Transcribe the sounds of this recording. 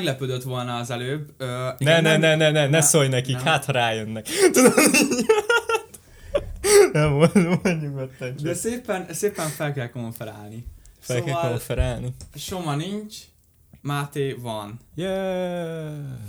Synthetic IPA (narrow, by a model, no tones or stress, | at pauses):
ɛɡlɛpød̪øt̪ʋo̞lnɒːzɛløːbønɛnɛnɛnɛnɛnɛsojnɛkikhat̪hɒɾaːjønːɛkt̪ud̪om | t̪ | nɛot̪ɲuɡot̪ːɛnt͡ʃd̪ɛseːpɛnseːpɛɱfɛlkɛlko̞ɱfɛɾa̰ːlnifsɛlkːɛlkoɱfɛɾaːlniʃomɒniɲt͡ʃ | mat̪eːvɒnjɛ